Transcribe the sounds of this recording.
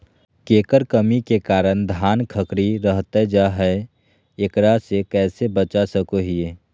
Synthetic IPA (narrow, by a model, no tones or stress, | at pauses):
keːkəɾkəmikekaːɾəñd̪ʱaːnkʰəkɾiɾəɦt̪ed͡ʒaɦɛ | ekɾasekɛːsebət͡ʃasəkoɦieː